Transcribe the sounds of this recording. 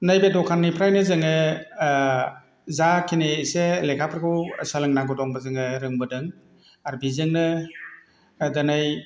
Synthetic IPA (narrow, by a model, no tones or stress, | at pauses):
najbedɔkʰanːipʰɾajnɯzɯŋɯ | zakʰineselekʰapʰɾkʰɯwsəlɯŋnaɡɯdɔŋbɯzɯŋɯɾɯŋbɯdɯŋ | aɾbizɯŋnɯ | dɯnaj